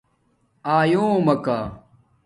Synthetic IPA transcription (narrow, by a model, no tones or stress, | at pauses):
aːjoːmɐkaː